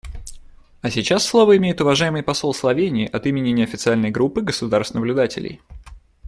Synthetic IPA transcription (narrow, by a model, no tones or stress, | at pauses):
ɐsʲɪt͡ɕasːlˠo̞vəɪmʲejɪt̪ʊvɐʐajɪmɨjpɐso̞lˠslˠɐvʲenʲɪːʔɐt̪imʲɪnʲɪnʲɪɐfʲɪt̪sɨalʲnəjɡɾupːɨɡəsʊd̪arst̪nəblʲʊd̪atʲɪ̰lʲɪ̰j